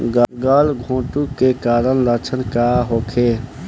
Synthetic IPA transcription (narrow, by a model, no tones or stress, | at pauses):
ɡaɡaːlɡʱõːʈukːekaːɾənlət͡ʃʰənkaɦoːkʰe